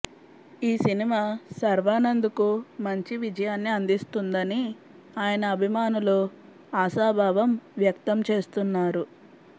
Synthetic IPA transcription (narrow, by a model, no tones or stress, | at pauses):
iːsinimaːsɐɾʋaːnɐnd̪ukumɐɲt͡ʃiʋid͡ʒɐjaːnːiɐnd̪ist̪und̪ɐni | aːjɐnɐːbʱimaːnulu | aːsaːbʱaːʋɐmʋjɐkt̪ɐmt͡ʃe̞ːst̪unːaːɾu